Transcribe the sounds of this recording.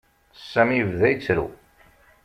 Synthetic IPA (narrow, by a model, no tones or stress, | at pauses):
sːæmivðæjt͡sːɾṵ